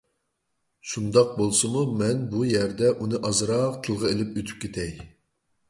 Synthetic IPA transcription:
ʃund̪ɑq̚bolˠsɨmumɛnbujɛɾd̪ɛʔunɨʔɑzɨɾɑqt̪ʰɨlˠʁɑelɪpøt̪ʰy̥p̚kʲet̪ʰɛj

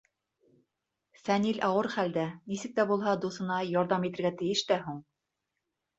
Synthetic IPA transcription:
fænilʔɑwɤɾχæld̪ænisɘ̆k̚t̪æbulˠɦɑd̪usɤ̆nɑjɑɾðɑmit̪ɘ̆ɾɡæt̪ɘ̆jɘʃt̪æɦuɴ

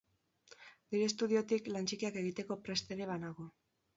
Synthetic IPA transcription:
niɾe̞st̪uðio̞t̪iklant͡ʃikiake̞ɣ̞it̪e̞ko̞pɾe̞st̪e̞ɾe̞βanaɣo̞

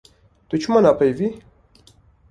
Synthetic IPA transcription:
t̪ut͡ʃumanapajvi

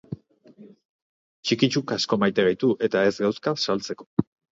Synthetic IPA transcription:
t͡ʃikit͡ʃukasko̞majt̪e̞ɣajt̪uʔe̞t̪ae̞zɡawskasalt͡se̞ko̞̥

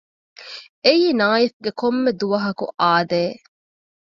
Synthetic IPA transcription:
eiːnaːifɡekomːed̪uʋɐɦɐkṵʔaːd̪eː

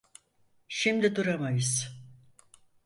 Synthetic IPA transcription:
ʃimd̪id̪uɾamajɯz̥

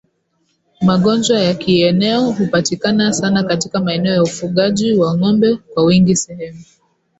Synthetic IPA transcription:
maɠɔnd͡ʒwajakiɛnɛɔɦupatikanasanakatikamaɛnɛɔjaufuɠaʄiwaŋɔmbɛkwawiŋɡisɛhɛmu

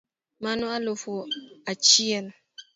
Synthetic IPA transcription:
manɔalofoat͡ʃiɛn

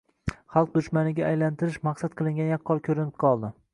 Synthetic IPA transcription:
χɑlˠq̚d̪ʊʃmanɪɡʲaːjlant̪ʰɪɾɪʃmaqsat̪̚qʰɨlˠɪŋʲanjaqʰːɒɾkʲʰɵɾɪnɪp̚qʰɒlˠd̪ɪ

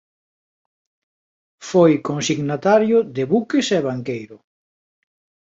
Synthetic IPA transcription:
fojkoŋsiɣnat̪aɾjʊðɪβukɪsɛβaŋkejɾʊ

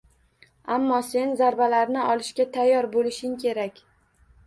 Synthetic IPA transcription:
amːɒse̞nzaɾbalaɾnɪʔɒlɪʃkʲat̪ʰajːɒɾbolɪʃɪŋkʲʰe̞ɾakʲ

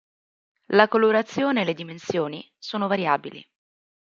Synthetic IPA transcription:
lakoloɾat̪sːjoːneːled̪imensjoːni | soːnovaɾjaːbilḭ

